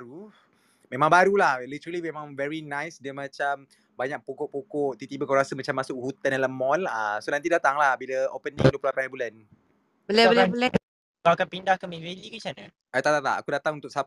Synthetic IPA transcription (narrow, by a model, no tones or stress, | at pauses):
aɾu | mẽmãŋbaɾulahlit̪əɾəlimẽmãŋvɛɹinãjsdiəmat͡ʃam | baɲak̚pokɔʔpokɔʔt̪it̪ibəkawɾasəmat͡ʃamːasʊkhut̪analəmɔlasonãnt̪idat̪aŋlahbilaopənḭ̃ŋduoəpllapanbulan | bəlabəlbəla | kalaakanpindahkanmivelikut͡ʃana̰ | at̪at̪at̪a̰ʔa̰kudat̪aŋut̪ʊksa